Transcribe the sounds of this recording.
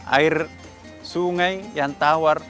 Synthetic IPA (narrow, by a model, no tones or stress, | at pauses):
a̰ir | suŋaijant̪awar